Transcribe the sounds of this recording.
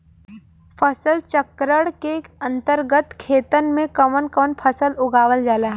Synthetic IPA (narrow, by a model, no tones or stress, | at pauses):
pʰəsəlt͡ʃəkɾəɽkeɐ̃nt̪əɾɡət̪kʰeːt̪ənmẽkɐmənkəʋənpʰəsəlʊɡaːʋəld͡ʒaːlaːɦɛ